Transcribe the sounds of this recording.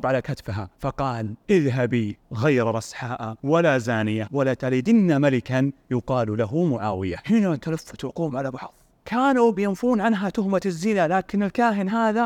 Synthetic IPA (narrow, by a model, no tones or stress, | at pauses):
bʕalakat̪fɦafɑqɑːlʔɪðɦabiɣajɾɾˤɑsħaːʔawalazaːnɪjawalat̪aliːd̪ɪnːamalɪkanjʊqɑːllaɦumʊʕaːwɪjahɪnat̪alafːḁt̪waquːmʕalabɑħðˤ | kʰaːnubɪjɪnfuːnʕanɦat̪ʊhmazːiːlalaːkɪnɪlkaːɦɪnɦaːða